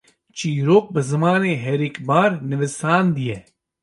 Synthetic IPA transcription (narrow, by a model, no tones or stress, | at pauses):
t͡ʃiːɾoːk̚bɐzɐmaːneːɦeːɾikbaːɾnɪʋɪsaːnd̪ieː